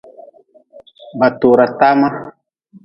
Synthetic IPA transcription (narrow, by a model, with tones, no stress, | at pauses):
ba˨t̪o˨ɾa˨ta˦ma˦